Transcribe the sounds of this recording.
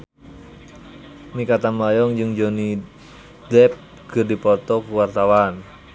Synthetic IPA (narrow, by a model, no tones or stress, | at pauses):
mikat̪anajɔŋd͡ʒɨŋd͡ʒoni | d̪ɛp̚ | ɡ̥ərdipɔt̪ɔkuwart̪awan